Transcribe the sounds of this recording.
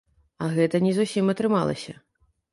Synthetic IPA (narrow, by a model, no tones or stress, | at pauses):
ɐɣɛt̪ɐnʲɛzusʲimɐt̪ɾɨmalˠɐ̰sʲɐ